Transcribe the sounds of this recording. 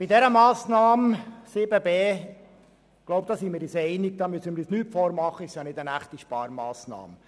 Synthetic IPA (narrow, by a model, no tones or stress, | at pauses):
b̥idɛɾəmɑːsnɑːmsɪbəbeː | ɡ̥loʊp̚d̥̪ɑːsiːmɪɾisɛɪnɪɡ̚d̥̪ɑːmysəmɪɾisnyːtfoːɾmɑχːəɪstjɑnɪdənæχt̪iʃpɑːɾmɑːsnɑ̰ːm